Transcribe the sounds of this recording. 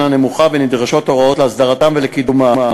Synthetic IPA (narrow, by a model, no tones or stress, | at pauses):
nane̞muχabenid̪ʁaʃo̞t̪ːo̞ʁao̞tleasd̪aʁat̪amvelekidumama